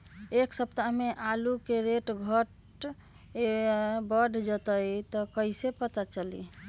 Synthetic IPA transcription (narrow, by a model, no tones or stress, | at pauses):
eksəbt̪ameʔalukeɾeʈɡʱəʈ | ebəɖʱd͡ʒət̪əjt̪ɔkəisepət̪at͡ʃəli